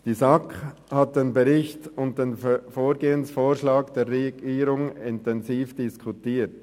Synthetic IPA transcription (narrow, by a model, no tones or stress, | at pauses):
d̥iːsak | hat̚d̥eːnbɛɾɪçtʊntd̥eːnfoːɾɡeːənsfoːʃlaːɡd̥eːɾːɛɡiːɾʊŋɪntɛnziːfd̥ɪskʰʊtiːt